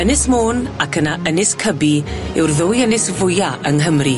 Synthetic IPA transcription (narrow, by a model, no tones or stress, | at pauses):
ənɨsmoːnakʰənaʔənɪskʰəbiɛwrðʊːjənɪsvʊjaʔəŋɦəmri